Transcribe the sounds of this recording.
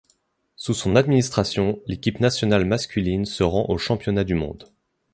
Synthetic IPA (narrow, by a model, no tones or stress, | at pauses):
susɔ̃nad̪minist̪χasjɔ̃lekʲipnasjɔnalmaskʲylinsəʁɑ̃ʔoʃɑ̃pjɔnad̪ymɔ̰̃d̪